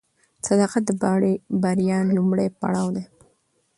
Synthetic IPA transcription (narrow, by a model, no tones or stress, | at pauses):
sad̪ɑqat̪̚d̪əbɑɽibaɾjɑlumɽajpa̰ɽɑwd̪e